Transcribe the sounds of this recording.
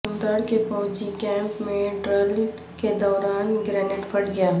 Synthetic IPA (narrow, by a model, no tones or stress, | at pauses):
md̪əɽkepɔːd͡ʒikɛ̃ːmpmẽɖɾəl | ked̪ɔːɾaːnɡɾɛːnɪʈfʰəʈɡɐjaː